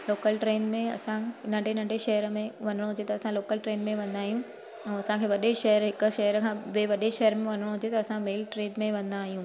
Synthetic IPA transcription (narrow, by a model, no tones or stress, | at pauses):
loːkəlʈɾeːnmẽɐ̰sãnɐ̃ɳɖʱenɐ̃ɳɖʱeʃɐɦəɾmẽʋɐn̤əɽ̃oɦʊd͡ʑet̪ɐɐsãloːkəlʈɾeːnmẽʋɐ̃nd̪aːɦijũ | ɛ̃ːɐsãkʰeːʋɐɗeʃɐɦəɾɦɪkə̆ʃɐɦəɾkʰãːʋeːʋɐɗeʃɐɦəɾmẽʋɐn̤əɽ̃oɦʊd͡ʑet̪ɐːsãmeːlʈɾeːɖmẽʋɐ̃nd̪aːɦijũː